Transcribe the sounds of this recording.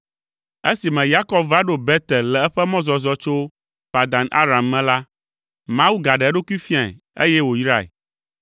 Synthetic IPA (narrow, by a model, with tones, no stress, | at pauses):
e˦si˨mɛ̃˨ja˦kɔ˦bva˦ɖo˦bɛ˦t̪ɛ˨llɛ˨ɛ˦ɸɛ˦mɔ̃˦zɔ˨zɔ˦t͡ʃo˦ | pa˨d̪ã˨nʔa̰˦ɾa˨mːɛ̃˨la˦ | mã˦wu˦ɡa˨ɖɛ˨ɛ˦ɖo˦kʷi˦fi˦a˨ | ḛ˦jɛ˦wo˨˦ɾa˦˨ḛ˨